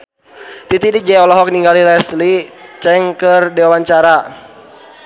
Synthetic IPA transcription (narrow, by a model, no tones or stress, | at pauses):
t̪it̪idid͡ʒɛɔlɔɦɔk̚niŋɡalilɛslit͡ʃɛŋkərdiwawaɲt͡ʃaɾa